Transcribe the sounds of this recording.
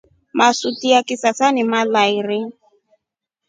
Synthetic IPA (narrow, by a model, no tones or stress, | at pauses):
masutiakɪsasanɪmalaiɾɪ